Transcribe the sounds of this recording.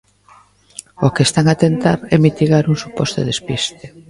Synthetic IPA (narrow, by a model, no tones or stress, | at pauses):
okest̪aŋat̪ent̪aɾɛmit̪iɣaɾuŋsupɔst̪o̰ðespist̪e